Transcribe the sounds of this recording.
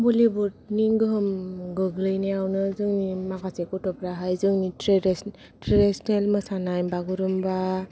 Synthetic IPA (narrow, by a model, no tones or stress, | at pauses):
bulibutniŋɡɯɦɯmɡɯɡlɯjneawnɯzɯŋnimaɡasekutɔpɾaɦajzɯŋniɾ | tɾedisnelmɯsanajbaɡuɾɯmba